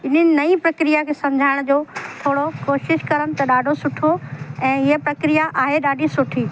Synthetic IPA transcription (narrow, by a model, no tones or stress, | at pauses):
ɪn̤ənɪ̆nɐipɾɐkɾijakʰeːsɐ̃md͡ʑʱaːɪɽ̃d͡ʑoːt̪ʰoːɽokoːʃɪʃkɐɾəmt̪ɐɗaːɖʱosʊʈʰoɛ̃ːɦiəpɾɐkɾijaʔaːɦeɗaːɖʱisʊʈʰiː